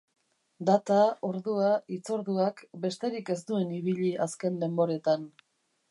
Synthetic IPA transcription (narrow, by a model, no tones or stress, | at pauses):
d̪at̪ao̞ɾðuait͡so̞ɾðuakbe̞st̪e̞ɾike̞st̪ue̞niβiʎiʔaske̞nle̞mbo̞ɾe̞t̪an